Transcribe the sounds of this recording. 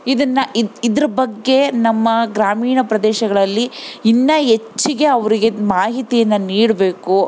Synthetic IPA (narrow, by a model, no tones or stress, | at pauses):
id̪ɐnːɐiid̪ɐɾɐbɐɡːe̞nɐmːɐɡɾaːmiːɳɐpɾɐd̪ɛːʃɐɡɐɭɐlːiinːɐet͡ʃːiɡe̞ɐʋɐɾiɡemaːɦit̪ijɐnːɐniːɽɐbe̞ːku